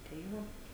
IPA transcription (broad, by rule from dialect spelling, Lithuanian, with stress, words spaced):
tɐɪ ˈʋoː